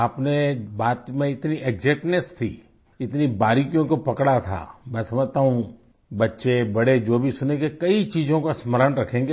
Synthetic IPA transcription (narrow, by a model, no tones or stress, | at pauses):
aːpnebaːt̪mẽɪt̪niʔɛɡzɛːʈnest̪ʰḭː | ɪt̪nibaːɾikjõkopɐkɽat̪ʰa̰mɛ̃ːsɐməd͡ʒʱt̪aːɦũ | bɐtːʃebɐɽed͡ʒoːbʱisʊnekekɐit͡ʃiːzõkasməɾənɾɐkʰẽːŋɡe